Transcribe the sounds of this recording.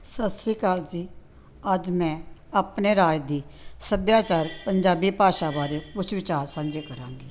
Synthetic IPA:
səst̪ɾiːkaːld͡ʒiː | əd͡ʒmɛ̃ːaːpneːɾaːjd̪iːsəbjaːt͡ʃaːɾpəɲd͡ʒaːbiːpaːʃaːbaːɾeːpʊt͡ʃʋɪt͡ʃaːɾsãːnd͡ʒeːkəɾãːŋɡiː

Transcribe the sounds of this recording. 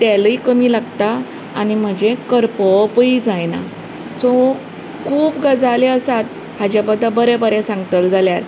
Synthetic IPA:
t̪ɛləikəmiːlaɡt̪aː | ñim̤əd͡ʑekəɾpəpəid͡zajna̰ | sɔ | kʰuːpɡəd͡zaleəsat̪̚ | had͡ʑabəd̪ʱːabəɾebəɾɛ̃sãŋɡət̪əld͡zaljaɾ

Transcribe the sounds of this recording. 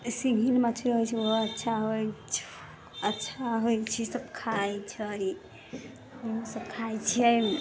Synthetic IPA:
siɡʱinmat̪ʰeɦojt͡ʃʰioɦoətːʃʰaɦojt͡ʃʰ | ətːʃʰaɦojt͡ʃʰisəbkʰajt͡ʃʰəj | oɦsəbkʰajt͡ʃʰəj

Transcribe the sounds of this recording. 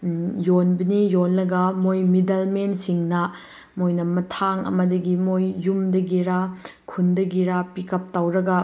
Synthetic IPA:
jonbɐnijonlɐɡɐmojmidɐlmensiŋnɐ | mojnɐmɐtʰaŋɐ̰mɐdɐɡimojːumdɐɡiɾakʰundɐɡiɾapikɐp̚tawɾɐɡɐ

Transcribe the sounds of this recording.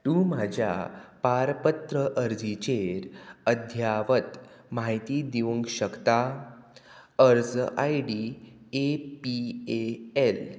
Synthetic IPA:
t̪umad͡ʑʱja̰paɾpət̪ɾəʔəɾd͡zit͡ɕeɾəd̪ʱjaʋət̪ | maɦit̪iːd̪eʋuŋkɕəkt̪a | əɾd͡za̰jɖi | epieel

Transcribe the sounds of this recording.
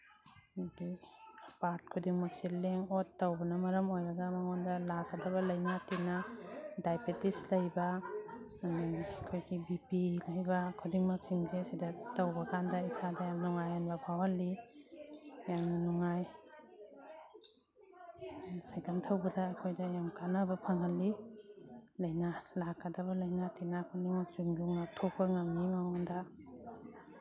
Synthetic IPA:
nɡipaɾt̚kʰudiŋmɐk̚sileŋotːɐwbɐnɐmɐɾɐmojɾɐɡɐmɐŋondɐlaɡɐdɐβɐlɐjnatinɐdajpetislɐjbɐ | nikʰojɡibipilɐjbɐkʰudiŋmɐk̚siŋsesidɐtɐwbɐkʰandɐisadɐjamnuŋajanbɐbʰʱawalːi | jamnanɔŋaj | sajkʰantʰawbadaːjkʰojdajamkanabapʰaŋɦali | lajnalakʰːadabalajnatinakʰudiŋmak̚z̥uŋduŋatʰɔk̚baŋamnimawanda

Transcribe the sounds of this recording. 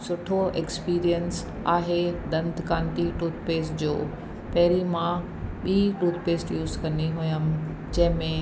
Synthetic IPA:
sʊʈʰoʔekspiːɾijəns | aːɦed̪ɐ̃nd̪ʱkãːnt̪iʈuːt̪̚ʰpeːsd͡ʑo̰ː | pɛɦɾimã | ɓiːʈuːt̪̚ʰpeːsʈjuːzkɐ̃niɦujəm | d͡ʑɐ̃ɦɪ̃mẽ

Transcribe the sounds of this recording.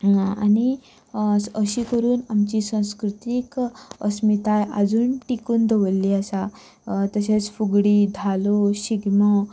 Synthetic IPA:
a̰ni | əɕikəɾuːnamt͡ɕiːsãw̃skɾut̪ikəsmit̪ajad͡zuːnʈikuːnd̪ʱəʋəlːiasa | t̪əɕet͡sfuɡɽiːd̪ʱaloɕiɡmɔ

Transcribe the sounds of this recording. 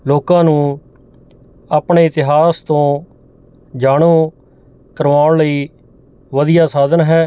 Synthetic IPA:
loːkãːnũː | aːpɳeːɪt̪ɪɦaːst̪õː | d͡ʒaːɽ̃õː | kəɾʋaːʊɳləiː | ʋəd̪ɪjaːsaːd̪ənɦɛː

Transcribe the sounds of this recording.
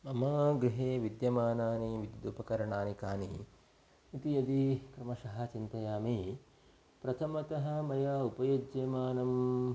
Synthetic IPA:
ɐmɐɡɾiɦeːʋid̪jɐmaːnaːniʋid̪d̪upɐkɐɾɐɳaːnikaːnḭ | it̪iɐd̪ikɾɐmɐʃɐɦɐ̆t͡ʃint̪ɐjaːmi | pɾɐt̪ʰɐmɐt̪ɐɦɐ̆mɐjaːupɐjoːd͡ʒjɐmaːnɐm

